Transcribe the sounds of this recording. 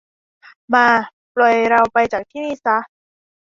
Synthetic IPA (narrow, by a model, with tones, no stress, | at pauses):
maː˧ | plɔ˨˩jɾa˧wpa˧jt͡ɕaː˨˩k̚t̪ʰiː˥˩miː˥˨sa˧˦˥